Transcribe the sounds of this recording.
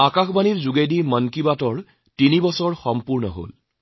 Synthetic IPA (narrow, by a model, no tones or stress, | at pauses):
akaxbaniɹzuɡejdimɔnkibatɔɹ | tinibɔsɔɹxɔmpuɹnɔ̰ɦo̰l